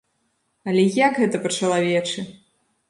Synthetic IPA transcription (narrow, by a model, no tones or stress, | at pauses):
ɐlʲɛjakɣɛt̪ɐpɐt͡ʂɐlˠavʲɛt͡ʂɨ